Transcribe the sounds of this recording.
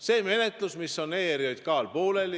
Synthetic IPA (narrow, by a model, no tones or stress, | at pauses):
se̞ːme̞net̪ˑlusmisːo̞nːeːeɾiojd̪̥kɑːlpo̞ːle̞l